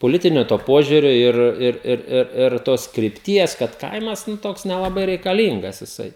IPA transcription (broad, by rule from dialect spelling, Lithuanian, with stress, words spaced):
poːˈlʲɪtʲɪnʲoː toː ˈpoːʒʲʊrʲoː ˈɪr ˈɪr ˈɪr ˈɪr ɪr ˈtoːs krʲɪpʲˈtʲiɛs kɐt ˈkɐɪmɐs ˈnʊ ˈtoːks nʲɛlˠɐˈbɐɪ rʲɛɪkɐˈlʲiːŋɡɐs jɪˈsɐɪ